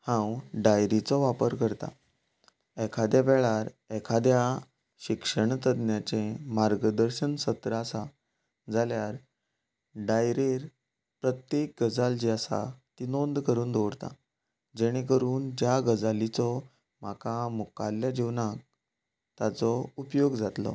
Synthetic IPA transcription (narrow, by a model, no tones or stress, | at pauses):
hãwɖajɾit͡sɔʋapəɾkəɾt̪a̰ | ɛkʰad̪jaʋɛɭaɾ | ɛkʰad̪ja | ɕikʂəɳ̃t̪əd̪njat͡ɕẽmaɾɡəd̪əɾɕənsət̪ɾəasa | d͡zaljaɾ | ɖajɾeɾ | pɾət̪jek̚ɡəd͡zald͡ʑiəsa̰t̪inond̪kəɾuːnd̪oʋɽt̪a̰ | d͡ʑɛɽ̃ek̬əɾuːnd͡ʑjaɡəd͡zalit͡sɔ | m̤akamukalːjad͡ʑeʋnak̚ | t̪at͡sɔupjoɡd͡zat̪lɔ̰